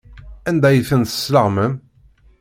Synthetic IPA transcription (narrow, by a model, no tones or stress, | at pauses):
ænd̪æjəθənθə̥sləʁməm